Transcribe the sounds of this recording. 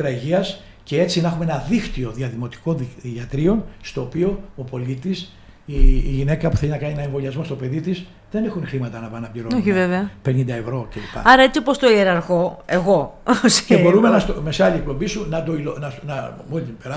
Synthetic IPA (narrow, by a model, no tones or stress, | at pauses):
ɾɐiʝiɐs | ce̞e̞t͡sinɐxumeenɐðixt̪io̞ðiɐðimo̞t̪i̥ko̞iiɐt̪ɾio̞nst̪o̞ːpio̞opo̞lit̪is | iʝine̞kɐpuθe̞linɐkɐnienɐeɱvo̞liɐzmo̞st̪o̞pe̞ðit̪is | ðe̞ne̞xunxɾimɐt̪ɐnɐpɐnɐpliɾooçiveveɐpe̞nind̪ɐe̞vɾo̞celipɐ̰ɐɾɐet͡siopost̪oieɾɐɾɣo̞e̞ɣoscebo̞ɾumenɐsome̞sɐliek̚po̞mbisunɐd̪oilonɐnɐmolit̪ipeɾɐ